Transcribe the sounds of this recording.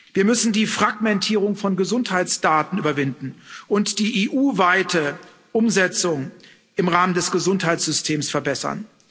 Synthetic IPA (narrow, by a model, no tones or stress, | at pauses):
viːɐmʏsn̩diːfʁ̥aɡmɛntʰiːʁʊŋfɔnɡəzʊnthaɪtsd̥aːtn̩ʔyːbɐvɪndn̩ʔʊntd̥iːʔeːʔuːvaɪtə | ʔʊmzɛt͡sʊŋ | ʔɪmʁaːməndɛsɡ̥əzʊnthaɪtsz̥ʏstʰeːmsfɛɐbɛsɐ̰n